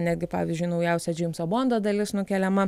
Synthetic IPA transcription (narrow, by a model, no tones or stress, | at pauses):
nʲæːd̪ɡʲɪpɑ̰ːʋʲɪzʲd͡ʒʲʊɪnɒʊjɛˑʊsʲɛd͡ʒʲɪmsoːboːnd̪oːd̪ɐlʲɪsnʊkʲɛlʲɛmɐ